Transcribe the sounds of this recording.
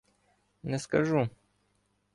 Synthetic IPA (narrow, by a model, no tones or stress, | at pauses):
nɛskɐʐu